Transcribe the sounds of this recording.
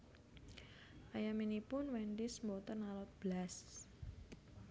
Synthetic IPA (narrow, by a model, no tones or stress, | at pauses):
ʔajaminipʊnwɛndɪsmbot̪ənalɔt̪̚b̥las